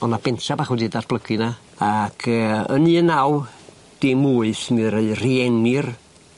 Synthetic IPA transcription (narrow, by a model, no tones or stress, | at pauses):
ɔnab̥ɛntabaːχwudidarb̥lˠəɡɨna | akʰəːə̰niənaw | d̥ɪmuːɨθnɨɾeɨriɛnɪr